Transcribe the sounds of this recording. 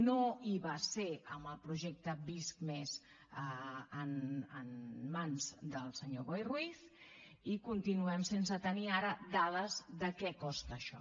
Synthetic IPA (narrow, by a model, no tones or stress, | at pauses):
noiβəseəməlˠpɾuʒɛk̚t̪əbiskmez | əənənmanzd̪əlˠsəɲoɣojrwiθ | ikunt̪inuɛmsensət̪əniaɾəd̪að̞əzðəkɛkɔst̪əːʃɔ̰